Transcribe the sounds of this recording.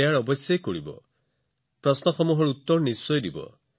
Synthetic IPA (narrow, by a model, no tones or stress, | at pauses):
aɽɔbɔsjajkoɽibɔ̰ | pɾɔsnɔxɔmuɦɔɾut̪ːɔɾɔnisːɔjd̪ibɔ̰